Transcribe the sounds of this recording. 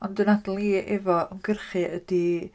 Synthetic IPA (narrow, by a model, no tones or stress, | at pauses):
ɔndənadlˠiːɛvɔəmɡərχɨədi